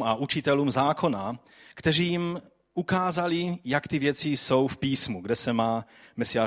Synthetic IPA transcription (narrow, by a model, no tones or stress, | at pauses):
maʔut͡ʃɪt̪ɛluːmzaːkʰo̞na | kt̪ɛriːjim | ukaːzalijakt̪ivjɛt͡siso̞wfpiːsmuɡdɛsɛmaː | mɛsiaː